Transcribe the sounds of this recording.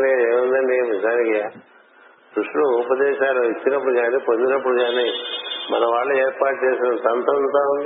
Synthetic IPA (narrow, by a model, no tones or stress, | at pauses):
neːmund̪ɐɳɖiʋid͡ʒaːnikia | d̪ɾuʂʈluːpɐd̪ɛːʃaːluit͡ʃːinɐpːuɽuɡaːniːpo̞nd̪inɐpːuɽuɡaːniːmɐ̰nɐʋaːɭːueːɾpaːʈ̚t͡ʃeːsinɐsɐnt̪ɐnt̪aːund̪i